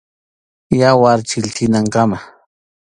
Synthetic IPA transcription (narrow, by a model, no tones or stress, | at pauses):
jawaɾt͡ʃɪlt̪ʰɪnaŋkama